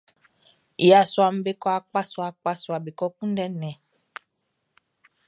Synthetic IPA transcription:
ja˨sa˨m̩˦be˦kɔ˦a˨k͡pa˦sɔ˨a˨k͡pa˦swa˨be˨kɔ˦k͡pũ˦dɛ˦nɛ̃˨

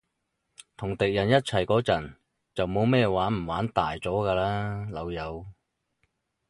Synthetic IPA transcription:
t̪ʰʊ˨˩ŋt̪ɪ˨k̚jɐ˨˩njɐ˥t̚t͡sʰɐ˨˩jkɔː˨˥t͡sɐ˨˩n | t͡sɐ˨wmo˨˧wmɛː˥˧waː˨˥nm̩˨˩waː˨˥nt̪aː˨jt͡sɔː˨˥kaː˧laː˥lɐ˨˧wjɐ˨˧w

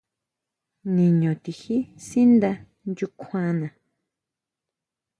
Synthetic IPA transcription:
nĩ˨ɲõ˨t̪i˨hi˦si˦nd̪a˧ | nd͡ʒu˧kʰã˧nã˨

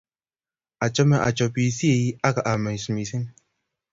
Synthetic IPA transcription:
a˨t͡ʃɔ˦mɛ˦˨ʔa̰˨t͡ʃɔ˨pi˨si˦e˨i˦a˦ka˨ʔa˨mɛ˨ɲ˨smi˨si˦ŋ

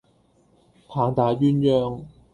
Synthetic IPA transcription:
pʰaː˨˧ŋt̪aː˨˥ɥyː˥njœː˥ŋ

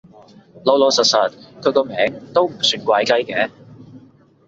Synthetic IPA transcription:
lo˨˧wlo˨˧wsɐ˨t̚sɐ˨˩t̪̚kʰɵ˨˧jkɔː˧mɛː˨˧˥ŋt̪o˥wm̩˨˩syː˨˧nkʷaː˧jkɐ˥jkɛː˨˥

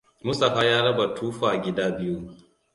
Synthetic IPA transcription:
mʊ˦sʼa˨ɸaː˦jaː˦ɽɐ˦ba˨tʰuː˦ɸaː˨ɡʲɪ˦daː˦bɪ˦ju˦

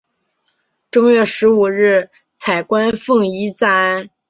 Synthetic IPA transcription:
ʈ͡ʂʊ˥ŋɥɛ˥˩ʂɻ̩˧˥u˨˩ɻ̩˥˩ | t͡sʰa˨˩ɪkwa˥nfɤ˥˩ŋi˧˥t͡sa˥n

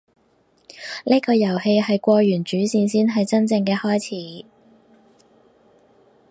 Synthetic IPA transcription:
niː˥kɔː˧jɐ˨˩whe˧jɦɐ˨jkʷɔː˧jyː˨˩nt͡ʃyː˨˥siː˧nsiː˥nɦɐ˨jt͡sɐ˥nt͡sɪ˧ŋkɛː˧hɔː˥jt͡sʰiː˨˥

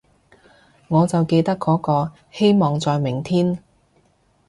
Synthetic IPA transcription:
ŋɔː˨˧t͡sɐ˨wke˧jt̪ɐ˥kːɔː˨˥kɔː˧ | he˥jmɔː˨ŋt͡sɔː˨jmɪ˨˩ŋt̪ʰiː˥n

